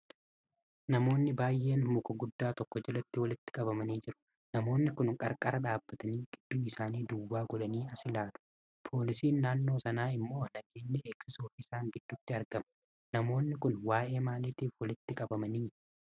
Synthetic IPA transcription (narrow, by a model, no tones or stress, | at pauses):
nɐmo̞ːnːɪbaːjːʔe̞ːnmʊkɐɡʊd̪ːaːt̪ɔkːɔd͡ʒɛlɐt̪ːɪwɐlɪt̪ːɪ̥kʼɐbɐmɐniːd͡ʒɪɾʊ̥ | nɐmo̞ːnːɪkʊnkʼɐɾkʼɐɾɐᶑaːbːɐt̪ɐniːɡ̥ɪd̪̥ːuːɪsaːniːd̪ʊwːaːɡɔᶑɐniːɐsɪlaːᶑʊ̥ | pʰo̞ːlɪsiːnːaːnːo̞ːsɐnaːɪmːo̞ːnɐɡeːnːɛeksɪsuːfɪsaːŋɡɪd̪̥ːʊt̪ːɪɐɾɡɐmɐ̥ | nɐmo̞ːnːɪkʊnwaːʔe̞ːmaːliːt̪iːfwɐlɪt̪ːɪkʼɐbɐmɐniː